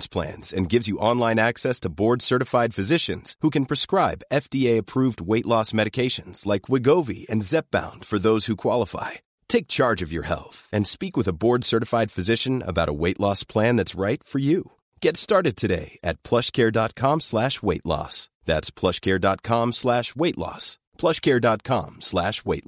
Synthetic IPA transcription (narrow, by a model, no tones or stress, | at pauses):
spʰl̥æ̰̃nz̥ɨ̰̃nɡɪvzjɨʔɑ̃nlˠãɪ̃næksɛstʰəbɔɹdsɜ˞ɾɨfaɪd̥fɨzɪʃɨ̃nz̥hukɨ̃n̩pʰɹ̥ɨskɹaɪbɛfd̥ieɪɨpʰɹ̥uvd̚weɪʔlɔsmɛɾɨkʰeɪʃɨ̃nz̥laɪkʰwɨɡoʊvḭɨ̰̃nzɛp̚b̥ã̰ʊ̃nd̥fə˞ðoʊz̥hukʰw̥ɑlˠəfa̰ɪ | tʰeɪk̚t͡ʃʰɑɹd͡ʒʌvjə̰˞hɛ̰lˠθɨ̃nspikwɨðəbɔɹdsɜ˞ɾɨfaɪd̥fɨzɪʃɨ̃nə̰baʊɾə̰weɪʔˡlɔspʰl̥æ̃nðætsɹaɪtfə˞ju | ɡ̥ɛtstɑɹɾɨd̚tʰɨɾeɪɨt̚pʰl̥ʌʃkʰɛɹdɑt̚kʰɑ̃mslæʃweɪʔˡlɔ̰sðætspʰl̥ʌʃkʰɛɹdɑt̚kʰɑ̃mslæʃweɪʔˡlɔ̰s | pʰl̥ʌʃkʰɛɹdɑt̚kʰɑ̰̃mslæʃweɪt